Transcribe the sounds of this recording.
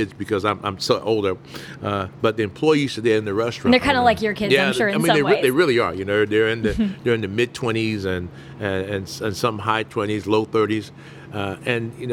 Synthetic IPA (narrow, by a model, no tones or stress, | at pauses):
ɪdzbɨkʰʌzãɪ̃mʔã̰ɪ̃mstoʔoʊlˠdə˞ | ʌb̥ʌt̪̚ðɨɨ̃mpʰl̥ɔɪiz̥tɨdeɪɨ̃nðɨɹɛstɹ̥ɑ̃ə˞kʰãɪ̃ndəlaɪkjə˞kʰɪdjæ̃ɪ̃ʃʊɹaɪĩnnðeɪðeɪɹɪlˠiə˞jɨnoʊðə˞ɪ̃nðɨðə˞ɨ̃nðɨmɪd̚tʰw̥ɛ̃ɾ̃izɨ̃n | ɨɨ̃nsɨ̃nsʌ̃mɦaɪtʰw̥ɛ̃ɾ̃izloʊθɜ˞ɾiz̥ | ʌɨ̃njɨn